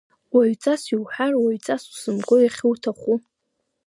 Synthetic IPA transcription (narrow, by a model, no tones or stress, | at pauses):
waɥt͡sʼasiwħarwaɥt͡sʼasu̥sɨmkʷʼojaχʲɪwtʰaχʷu